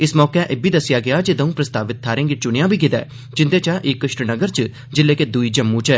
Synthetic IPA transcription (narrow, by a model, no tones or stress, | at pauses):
ɪsmɔːkɛ̃ʔeːbʱiːd̪əsɪjaːɡɪaːd͡ʒed̪əũːpɾəst̪aːʋɪt̪̚ʰːaːɾẽːŋɡɪt͡ʃʊɽ̃jãːbʱiːkɪd̪ɛ̰ː | d͡ʒɪ̃nd̪eːt͡ʃãːʔɪkːəʃʈənəɡəɾt͡ʃ | d͡ʒɪlːeːked̪uiːd͡ʒəmːũːt͡ʃɛː